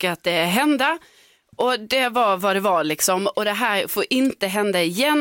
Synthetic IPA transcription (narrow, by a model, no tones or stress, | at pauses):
kəat̪̚d̪ɛɦɛnd̪a | ʔɔd̪ɛvavad̪ɛvaɭɪksɔmɔd̪ɛɦæːɾfoːɾʔɪnt̪əɦɛnd̪aɪjɛn